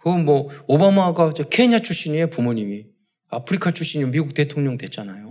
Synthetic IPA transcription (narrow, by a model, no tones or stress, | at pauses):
kɯɡnmwʌobamaɡad͡ʑekʰe̞iɲat͡ɕʰuɕ͈ʰiɲie̞pumuɲimi | apʰɯɾikʰat͡ɕʰuɕ͈iɲimiɡuk̚t͈e̞tʰoŋɲʌŋdwe̞t͡ɕ͈anajo